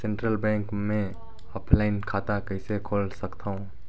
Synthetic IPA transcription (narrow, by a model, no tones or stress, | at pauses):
sẽɳʈɾəlbɛ̃ːŋkmẽ | ɔːpʰlaɪnkʰaːt̪akəɪsekʰoːlsəkt̪aũ